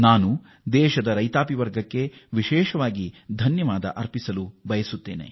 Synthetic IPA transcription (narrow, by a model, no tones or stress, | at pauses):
naːnu | d̪ɛːʃɐd̪ɐɾɐjt̪aːpiʋɐɾɡʱɐkːe̞ʋiʃɛːʃɐʋaːɡid̪ʱɐnjɐʋaːd̪ɐ̰ʔɐɾpisɐlubɐjɐsut̪ːeːnḛ